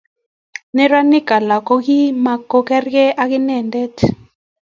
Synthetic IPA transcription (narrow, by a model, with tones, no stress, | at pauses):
nɛ˦ɾa˦ni˦ka˨la˨kɔ˦ki˦ma˨kɔ˦kɛ˦rkɛ˦ʔa˦ki˦nɛ˦˨ndɛ˦t